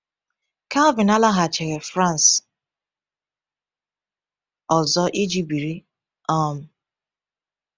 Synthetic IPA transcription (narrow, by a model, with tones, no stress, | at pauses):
ka˦lvɪ˨na˦la˦ɦa˨t͡ʃe˨ɾe˨fɾa˦n˨s | ɔ˨zɔ˦ʔi˦d͡ʒi˦bi˨ɾi˦ | ɔ˦˨m̩˨